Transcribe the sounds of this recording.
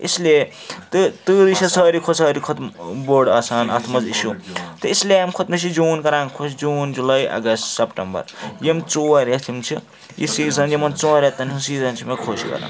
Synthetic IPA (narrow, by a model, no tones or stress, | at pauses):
ḛsle | t̪t̪ɨɾisʰɐsɐːɾikʰosɐːɾikʰot̪mboɖɐːsaːnɐ̰t̪ʰmɐziʃut̪ɐisleamkʰot̪̚misʰid͡ʒuːnkɐɾãːŋkʰosd͡zuːnd͡ʒulajʔɐ̰ɡɐssɐpʈɐmbɐ̰ɾjemt͡soɐɾet̪ʰimt͡sʰi | jḭsiːzɐnjemɐnt͡soɾat̪ːɐnsʰusiːzɐnt͡ʃʰimekʰoskɐ̰ɾa̰ː